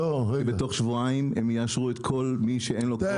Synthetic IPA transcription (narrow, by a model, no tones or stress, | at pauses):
obet̪o̞χʃvuaimemjaaʃʁuet̪kʰo̞lmiʃeenlo